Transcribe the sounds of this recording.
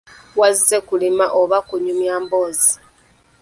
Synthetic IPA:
wazizekulimaʔoβakuɲumjaːmbo̞ːzi

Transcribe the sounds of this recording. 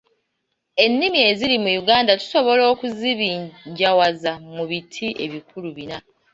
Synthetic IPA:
e̞nːimie̞ziɾimujuɡaːndatu̥so̞βo̞lo̞ːkuziβiɲɟawazamuβitʰiʔe̞βikuluβina

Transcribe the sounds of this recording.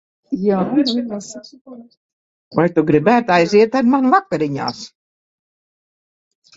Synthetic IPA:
jaːiɾinasa | vajt̪uɡɾibæːt̪ajziɛt̪aɾmanvakːaɾiɲa̰ːs

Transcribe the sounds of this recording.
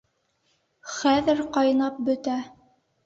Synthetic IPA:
χæðɘɾqɑjnɑp̚bɵ̆t̪æ

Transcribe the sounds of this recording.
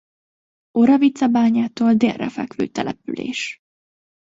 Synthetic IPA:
oɾɒvit̪sɒbaːɲaːt̪oːld̪eːrːɛ̰fɛ̰kʋø̰ːt̪ɛlɛpylḛːʃ

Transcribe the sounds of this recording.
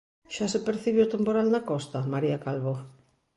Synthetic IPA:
ʃasepeɾθiβeot̪empoɾalnakost̪amaɾiakalβo

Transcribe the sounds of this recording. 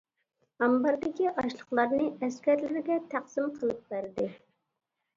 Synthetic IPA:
ɑmbɑɾd̪ɪkʲiʔɑʃlˠəχlˠɑɾnɨɛskʲæɾlɪɾɡʲɛt̪ʰæqsɨmqʰəlˠɨp̚bæɾd̪ɪ

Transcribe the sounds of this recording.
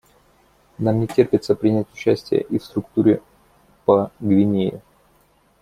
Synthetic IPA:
namnʲɪtʲerpʲɪt̪səpɾʲɪnʲætʲʊ̥t͡ɕːæsʲtʲɪjə̰ʔifst̪ɾʊkt̪uɾʲɪ | pəɡvʲɪnʲejʊ̰

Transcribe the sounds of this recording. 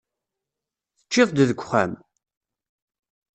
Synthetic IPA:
θə̥t͡ʃːɪðˤd̪ðəɡʷχæ̰m

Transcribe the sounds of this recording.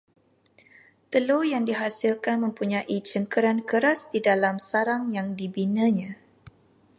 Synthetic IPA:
t̪əlojaŋdiɦasilkanmə̃mpuɲãʔit͡ʃəmkəɾankəɾasdidalamsaɾaŋjaŋdibinə̃ɲã

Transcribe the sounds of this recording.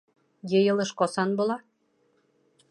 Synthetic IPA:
jĕjɤ̆lɤ̆ʃkɑsɑnbolˠɑ

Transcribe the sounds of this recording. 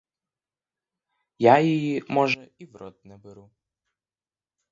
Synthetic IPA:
jajɔjimɔʒɛiwɾɔt̪nɛbɛɾu

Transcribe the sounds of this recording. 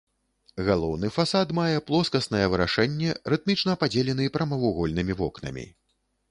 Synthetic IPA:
ɣalˠɔwnɨfasat̪majɛplˠɔskɐsnɐjɛvɨɾaʂɛnʲːɛɾɨt̪̚mʲit͡ʂnɐpad͡zʲelʲɛn̪ɨpɾɐmɐvuɣɔlʲnɨmʲivɔknɐ̰mʲḭ

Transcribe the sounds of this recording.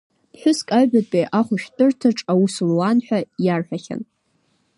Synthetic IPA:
ħʷᶣʊskʼabapʼeʔaχʷʊʃᶣtʼɨrtʰaʈ͡ʂʼawuslwanħʷᶣajarħᶣaχʲa̰n

